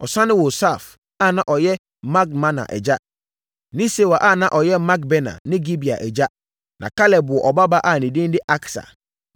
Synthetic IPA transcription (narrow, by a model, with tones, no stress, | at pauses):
ɔ˨sã˦nɪ̃˦wo˨sa˦˨f | a˦˨nã˨ʔɔ˨jɛ˦ | mã˦k̚mã˦nã̰˨ʔɛ̰˨d͡ʑa˦ | nĩ˦se˨wa˨ʔa˦˨nã˦ʔɔ˨jɛ˦ma˦k̚bɛ˦nã̰˨nɪ̃˦ɡi˦bi˨a̰˨ʔɛ˨d͡ʑa˦ | nʔã̰˨ka˦lɛ˨bʊ˨ɔ˨ʔɔ˨ba˦ba˦ʔa˦˨nĩ˨dɪ̃˦n˦dɪ˦ʔa˦ksa̰˨